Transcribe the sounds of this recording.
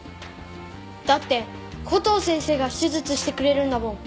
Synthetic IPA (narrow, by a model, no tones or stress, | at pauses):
d̪̥at̪ːe̞kʰo̞t̪o̞ːsẽ̞ɰ̃se̞ːɡaɕizɨt͡sɨɕi̥t̪e̞kɯ̟ɾe̞ɾɯ̟̃nd̪amõ̞